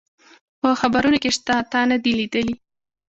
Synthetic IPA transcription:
pəxabaɾunokeʂt̪at̪ɑnad̪ilid̪əli

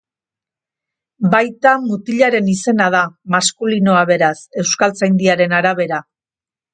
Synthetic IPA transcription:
bajt̪amut̪iʎaɾe̞nise̞nað̞amaskulino̞aβe̞ɾase̞wskalt͡sajnd̪iaɾe̞naɾaβe̞ɾa

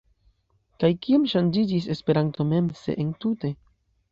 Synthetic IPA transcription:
kajkiomʃand͡ʒid͡ʒis̬e̞spe̞ɾanto̞me̞mse̞̰ʔentute̞

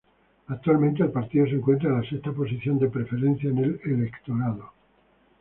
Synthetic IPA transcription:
ak̚t̪ualmẽnt̪eːlpaɾt̪iðo̞seŋkwe̞nt̪ɾaelasekt̪apo̞s̬iθjo̞nd̪epɾefe̞ɾẽn̟θjaenelelekt̪o̞ɾaðo

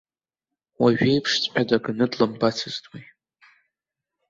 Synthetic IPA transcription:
waɥᶣejpʰʂt͡sʷʼħʲʷʼᶣadaɡɨnɨdlɨmbat͡sʰɨztʼwij

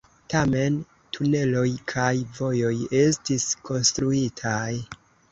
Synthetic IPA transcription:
tame̞n | tʰune̞lo̞jkʰajvo̞jo̞je̞stiskʰo̞nstɾuitʰaj

